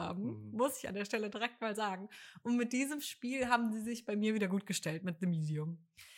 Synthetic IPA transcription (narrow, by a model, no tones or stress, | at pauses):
a̰ːbm̩mʊsɪça̰ndeːɐʃtɛlədiʁɛk̚tmaːlzaːɡŋ̩ʔʊntmɪt̚d̥iːzəmʃpiːlɦaːbm̩ziːzɪçb̥aɪmiːɐviːdɐɡuːt̚ɡ̥əʃtɛltmɪt̚dəmiːdiʊm